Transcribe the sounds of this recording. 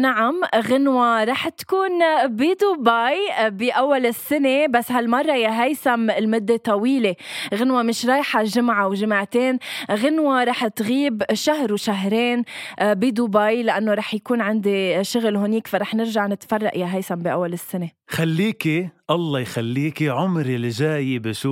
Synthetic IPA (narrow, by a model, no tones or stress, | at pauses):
naʕamɣɪnwaɾˤɑːħt̪kuːnbid̪ubaːjbiʔawːalɪsːɪnebasːhalmɑrˤːɑjaɦajsamɪlmʊd̪ːet̪ˤɑwiːleɣɪnwamɪʃɾˤɑːjħaʒɪmʕawʒɪmaʕt̪eːnɣɪnwaɾˤɑːħt̪ɣiːbʃaɦɾwʃaɦɾeːnbid̪ubaːjlɪʔanːoɾˤɑːħjakuːnʕɪnd̪iʃʊɣlɦʊniːkfaɾˤɑːħnɪɾʒaʕnɪt̪fɑrˤːɑʔjaɦajsambiʔawːalɪsːɪnexalːiːkiʔɑlˤːɑjxalːiːkiʕʊmɾilʒaːjibɪʃuː